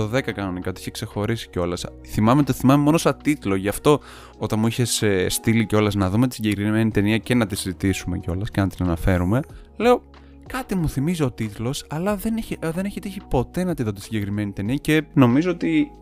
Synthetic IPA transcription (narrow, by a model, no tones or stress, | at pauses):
oðe̞kɐkɐno̞nikɐoiiçekse̞xo̞ɾisi̥ceo̞lɐs | θimɐmeo̞t̪iθimɐmemo̞nosɐt̪it̪lo̞ʝɐft̪o̞ | ot̪ɐnmuiçe̞sest̪iliceo̞lɐznɐðumet̪i̥siɟe̞kɾime̞nit̪e̞niɐce̞nɐt̪iszit̪isume̞̰ceo̞lɐsce̞nɐt̪inɐnɐfe̞ɾume̞ | le̞o | kɐt̪imuθimiziot̪it̪lo̞sɐlɐðe̞neçeðe̞neçit̪içipo̞t̪e̞nɐt̪iðo̞t̪isiɲɟe̞kɾime̞nit̪e̞niɐce̞no̞mizo̞ot̪i